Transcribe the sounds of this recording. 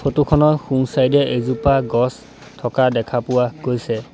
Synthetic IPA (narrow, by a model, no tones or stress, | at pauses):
fʰotukʰɔnɔxuŋsajdɛʔezupaɡɔs | tʰɔkadɛkʰapʊwaɡojsɛ